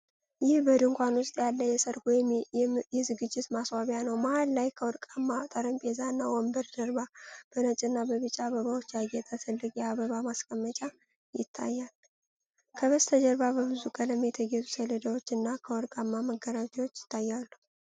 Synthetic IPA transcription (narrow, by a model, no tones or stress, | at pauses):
jɪhbəd̪ɨŋkʷanwʊst̪ʼjalːəjɛsəɾkojɛjɛzɨɡɨd͡ʒːɪt̪maswaβjanəwmahallajkʰəwɔɾkʼamːat̪ʼəɾəmpʼezanːawɔmbəɾd̪əɾbab̥ənət͡ʃʼɨnːabəβɨt͡ʃʼːaaβəβawot͡ʃːjaɡɛt̪ʼət̪ʰɨlːɨɡʼjɛaβəβamaskʼəmːət͡ʃʼa | jɪt̪ʰːa̰jːal | kʰəβəst̪ʰəd͡ʒəɾbabəβɨzukʰʼələmet̪ʰəɡet̪ʰʼu̥sələd̪awot͡ʃːɨnːakʰəwɔɾkʼamːaməɡːəɾat̪ʰewot͡ʃːjɪ̥t̪ʰːajːalːuu